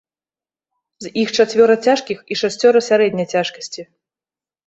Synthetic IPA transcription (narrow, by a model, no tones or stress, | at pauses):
zʲixt͡ʂat͡sʲvʲɔɾɐt͡sʲaʂkʲixiʂasʲt͡sʲɔɾɐsʲaɾɛd̪ʲnʲɐjt͡sʲaʂkɐ̥sʲt͡sʲi